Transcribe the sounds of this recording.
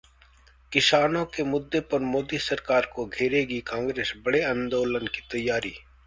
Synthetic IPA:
kɪʃaːnõkemʊd̪ːepɐɾmoːd̪isɐɾkaːɾkoɡʱeːɾeːɡikãːŋɡɾeːsbɐɽeãːnd̪oːlənki̥t̪ɐjːaːɾḭː

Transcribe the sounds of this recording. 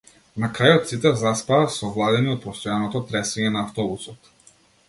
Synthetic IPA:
nakɾajɔt̪sit̪ɛvzaspaasɔvlˠad̪ɛniɔt̪̚pɔst̪ɔjanɔt̪ɔt̪ɾɛsviɲɛnaːft̪ɔbusɔt̪

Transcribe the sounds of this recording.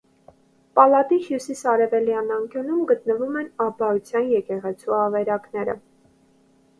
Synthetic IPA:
pɑlɑt̪ihjusisɑɾɛvɛljɑnɑŋkjunumɡət̪nəvumɛnɑbɑut͡sʰjɑnjɛkɛʁɛt͡sʰuɑvɛɾɑknɛɾə̰

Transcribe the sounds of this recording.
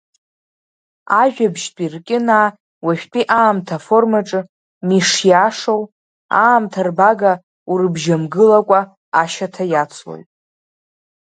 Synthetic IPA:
aʒᶣabʒpʼirkʲʼɪna | waʃᶣʲpʼiʔaːmtʰafo̞rmaʈ͡ʂʼɨ | miʂjaʂow | aːmtʰarbaɡa | uɾɨbʒamɡɨlakʷʼa | aʃatʰajat͡sʰwo̰jtʼ

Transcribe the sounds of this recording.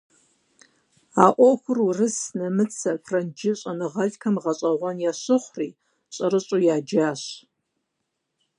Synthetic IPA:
aːʔʷɔxʷʊrurɨsnɐmɨt͡sʰɐpʰrɐnd͡ʒɪɕʼɐnɨʁɐɮkʰɐmʁɐɕʼɐʁʷɔnjaɕɨχʷriː | ɕʼɐɾɨɕʼujaːd͡ʒaːɕ

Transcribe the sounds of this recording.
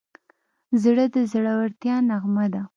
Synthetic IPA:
zɽəd̪əzɽawaɾt̪jɑnaɣmad̪a

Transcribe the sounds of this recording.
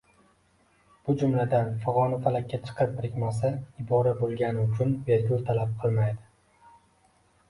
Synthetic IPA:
b̥ʊd͡ʒʊmlad̪anfʊʁɒnafalakʲːat͡ʃʰɨ̥qʰɨpɾɪkʲmas̬aɪbɒɾabolˠɡʲanɪʊt͡ʃʰʊnbeɾɡʲʊlˠt̪ʰalap̚qʰɨlˠmajd̪ɪ

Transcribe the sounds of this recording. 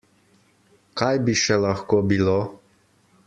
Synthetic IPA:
kajbiʃɛlaxkoːbiloː

